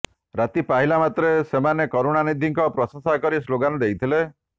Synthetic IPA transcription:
ɾat̪ipaɦilamat̪ɾesemanekɔɾoɽ̃anid̪ʱiŋkɔpɾɔsɔŋsakɔɾisloɡanɔd̪ejt̪ʰile

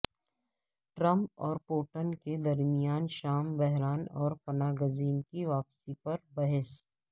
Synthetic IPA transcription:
ʈɾɐ̃mp̚ɔːɾpoːʈənked̪ɐɾmɪjaːnʃaːmbɛɦɾaːnɔːɾpɐnaːɡəziːnkiʋaːpsipɐɾbɐɦɛs

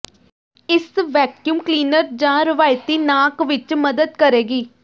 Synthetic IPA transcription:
ɪsʋɛːkjuːmkliːnəɾd͡ʒãːɾɪʋaːjt̪iːnaːkʋɪt͡ʃməd̪əd̪̚kəɾeːɡiː

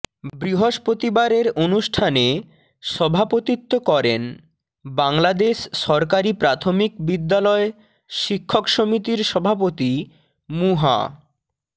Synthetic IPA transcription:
bɾiɦoʃpɾot̪ibaɾeɾonuʃʈʰane | ʃɔbʱapot̪it̪ːokɔɾen | baŋlad̪eʃːɔɾkaɾipɾat̪ʰomikbid̪ːalɔe | ʃikʰːokʃomit̪iɾʃɔbʱapot̪i | muɦa̰

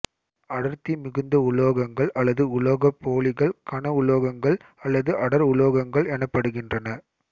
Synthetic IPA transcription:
ɐɽɐɾt̪imɪɣɯnd̪ɐʊɭoːɣɐŋɡɐɭʔɐlːɐðɯʊɭoːɣɐpːoːɭɪɣɐɭkɐɳɐʊɭoːɣɐŋɡɐɭ | ɐlːɐðɯʔɐɽɐɾʊɭoːɣɐŋɡɐɭɛnɐpːɐɽɯɣɪndrɐnɐ

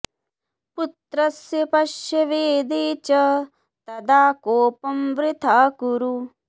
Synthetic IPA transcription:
put̪ɾɐsjɐpɐʃjɐʋeːd̪eːt͡ʃɐ | t̪ɐd̪aːkoːpɐmʋɾɪt̪ʰaːkuɾu

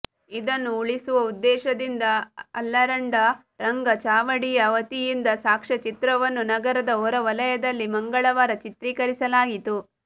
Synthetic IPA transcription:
id̪ɐnːuːɭisuʋɐud̪ːɛːʃɐd̪ind̪ɐɐlːɐɾɐɳɖɐ | ɾɐŋɡɐt͡ʃaːʋɐɽijɐːʋɐt̪ijind̪ɐsaːkʂɐt͡ʃit̪ɾɐʋɐnːunɐɡɐɾɐd̪ɐɔɾɐʋɐlɐjɐd̪ɐlːimɐŋɡɐɭɐʋaːɾɐt͡ʃit̪ɾiːkɐɾisɐlaːɡit̪u

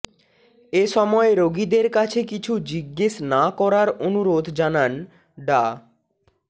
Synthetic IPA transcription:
eʃɔmɔeɾoɡid̪eɾkat͡ɕʰekit͡ɕʰud͡ʑiɡːeʃnakɔɾaɾonuɾod̪ʱd͡ʑanan | ɖa

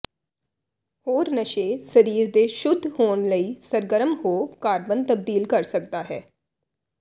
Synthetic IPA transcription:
hoːɾnəʃeːsəɾiːɾd̪eːʃʊd̪ʱːhoːɳləiːsəɾɡəɾəmhoːkaːɾbənt̪əb̚d̪iːlkəɾsək̚d̪aːɦɛː

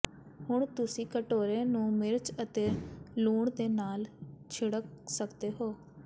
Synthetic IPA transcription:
hʊɳ̃t̪ʊsĩːkəʈoːɾeːnũːmɪɾt͡ʃət̪eːluːɳd̪eːnaːlt͡ʃʰɪɽək̚səkd̪eːɦoː

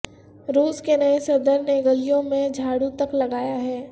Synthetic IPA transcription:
ɾuːskenɐesɐɾd̪əɾneɡɐlijõmẽd͡ʒʱaːɽut̪ɐklɐɡaːjaɦɛː

